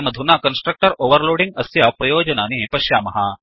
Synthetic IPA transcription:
mɐd̪ʱunakɐnsʈɾək̚ʈəɾoːʋəɾloːɽiŋɡ̚ɐsjapɾɐjoːd͡ʒɐnaːnipɐɕjaːmɐɦa

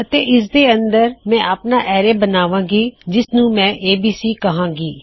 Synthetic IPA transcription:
ət̪eːʔɪs̬d̪eːənd̪əɾmɛ̃ːʔaːpnaːʔɛːɾeːbənaːʋãːɡiːd͡ʒɪsnũːmɛ̃ːʔeːbiːsiːkəɦãːɡiː

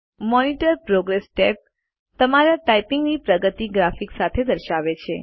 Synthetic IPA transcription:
mɔniʈəɾpɾoɡɾesʈep̚ | t̪əmaɾaʈaipiŋɡnipɾəɡət̪iɡɾafiksat̪ʰed̪əɾʃaʋet͡ʃʰe

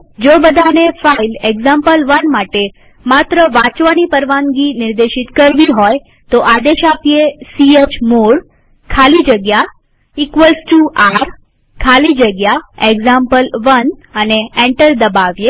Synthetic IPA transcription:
d͡ʒobəd̪ʱanefaileɡzampəlʋənmaʈe | mat̪ɾəʋãt͡ʃʋanipəɾʋaŋɡinɪɾd̪eʃɪt̪kəɾʋiɦoj | t̪oʔad̪eʃapjesiet͡ʃmoɾ | kʰalid͡ʒəɡja | ikʋəlsʈuʔaɾ | kʰalid͡ʒəɡjaeɡzampəlʋənəneɛ̃ɳʈəɾd̪əbaʋje

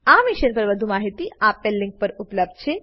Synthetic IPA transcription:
amiɕənpəɾʋəd̪ʱumaɦit̪iapelːiŋk̚pəɾupləb̚d̪̚ʱt͡ɕʰe

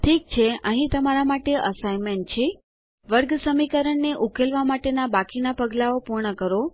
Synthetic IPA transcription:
ʈʰik̚t͡ʃʰeəɦĩt̪əmaɾamaʈeʔəsajment͡ʃʰe | ʋəɾɡsəmikəɾəɳːeʔukelʋamaʈenabakinapəɡlaopuɾɳəkəɾo

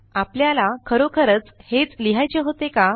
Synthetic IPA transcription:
apljalakʰəɾokʰəɾət͡shet͡sliɦajt͡ɕeɦot̪eka

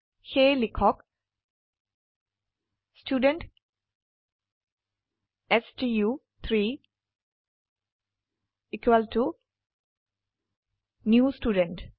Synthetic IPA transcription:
heːlikʰɔk | sʈjuːɖə̃ɳʈ | esd͡ʒijuː | t̪ʰɾiː | ikwəlʈu | njuːsʈuːɖə̃ɳʈ

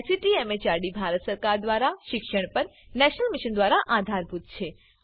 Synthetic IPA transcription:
siʈiemet͡ʃaɾɽibʱaɾət̪səɾkaɾd̪ʋaɾaʃɪkʃəɳ̃pəɾnɛʃənəlmiʃənd̪ʋaɾaʔad̪ʱaɾbʱut̪̚t͡ʃʰe

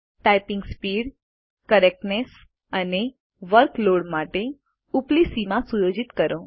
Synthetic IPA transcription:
ʈajpɪŋɡspiɽ | kəɾek̚ʈnes | əne | ʋəɾkloɽmaʈe | uplisimãsujod͡ʒit̪kəɾo

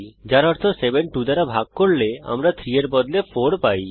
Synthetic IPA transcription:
d͡ʑaɾɔɾt̪ʰosebenʈud̪aɾabʱaɡ̚koɾlea̰mɾat̪ʰɾieɾbɔd̪lefoɾpaj

